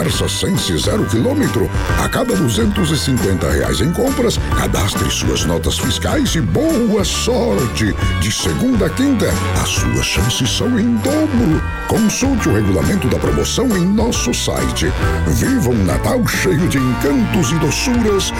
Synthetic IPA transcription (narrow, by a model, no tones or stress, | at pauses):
ɛɾsɐsẽsɪzɛɾʊkilõmet̪ɾʊa̰kabɐd̪uzẽnt̪ʊzɪsĩŋkwẽnt̪ɐ̰hḛa̰jzẽj̃kõmpɾɐska̰d̪a̰st̪ɾɪsṵɐ̰znɔt̪ɐsfiska̰jzɪbowɐsɔɾt͡ʃɪd͡ʒɪseɡũnd̪ɐɐkĩnt̪ɐ | ɐ̰sṵɐ̰ʃɐ̃sɪsɐ̃w̃ẽj̃d̪obɾʊ | kõsuwt͡ʃɪʊheɡula̰mẽnt̪ʊd̪ɐpɾomo̰sɐ̃w̃ẽj̃nɔsʊsa̰jt͡ʃɪ | vivɐ̃ʊ̃na̰t̪awʃejʊd͡ʒɪẽŋkɐ̃nt̪ʊzɪd̪osuɾɐs